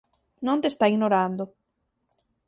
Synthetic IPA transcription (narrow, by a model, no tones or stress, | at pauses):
nõnt̪est̪aiɣnoɾand̪ʊ